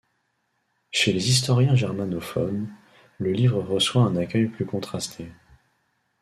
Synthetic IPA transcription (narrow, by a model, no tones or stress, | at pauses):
ʃelezis̬t̪ɔʁjɛ̃ʒɛʁmanɔfɔ̰n | ləlivʁəʁəswaɛ̃nakʲœjplykɔ̃t̪χast̪ʰe